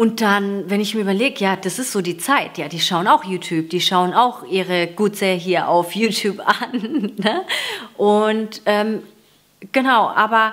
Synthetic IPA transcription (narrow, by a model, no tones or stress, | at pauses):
ʔʊnt̚d̥anvɛnɪçmiːɐyːbɐleːɡəjaːd̥asɪstz̥oːdiːt͡saɪtjaːdiːʃaʊənaʊxjuːtʰjuːb̚d̥iːʃaʊənaʊxʔiːʁəɡ̥uːt͡səɦiːɐʔa̰ʊfjuːtʰjuːpanːəʔʊntʔɛːm | ɡ̥ənaʊʔa̰ːbɐ